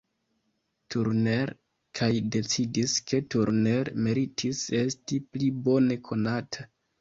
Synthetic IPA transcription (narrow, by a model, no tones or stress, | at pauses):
tʰuɾne̞ɾ | kʰajde̞t͡sidiske̞tuɾne̞ɾme̞ɾitʰise̞stiplibo̞ne̞kʰo̞natʰa